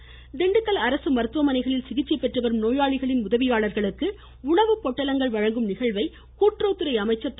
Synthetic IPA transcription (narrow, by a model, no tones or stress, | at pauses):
d̪ɛɳɖɯkːɐlɐɾɐsɯmɐɾɯt̪ʋɐmɐnɐɪɣɐɭɪlsɪɣɪt͡ʃːɐɪpːɛʈrɯʋɐɾɯmnoːjaːɭɪɣɐɭɪnʊðɐʋɪjaːɭɐɾɣɐɭɯkːɯ | ʊɭɐʋɯpːɔʈːɐlɐŋɡɐɭʋɐɻɐŋɡɯmnɪɣɐɭʋɐɪ | kuːʈroːt̪ːɯɾɐɪɐmɐɪt͡ʃːɐt̪ː